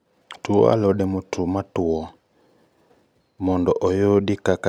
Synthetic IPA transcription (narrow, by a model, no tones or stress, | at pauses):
tuɔ̰a̰lɔɗɛmutʰumatuɔ | mɔndɔʔɔjɔdikaka